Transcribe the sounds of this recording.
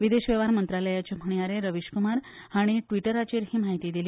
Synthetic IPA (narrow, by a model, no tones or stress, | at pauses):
ʋid̪eɕʋeʋaɾmənt̪ɾaləjat͡ɕem̤ʱəɳijaɾeɾəʋiɕkumaɾhaɽ̃iʈʋiʈəɾat͡ɕiːɾɦiːmaɦit̪iːd̪iliː